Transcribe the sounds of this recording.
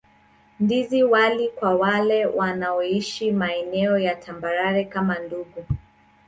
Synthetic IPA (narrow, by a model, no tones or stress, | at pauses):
ndiziwalikwawalɛwanaɔiʃimaɛnɛɔjatʰambaɾaɾɛkamanduɡu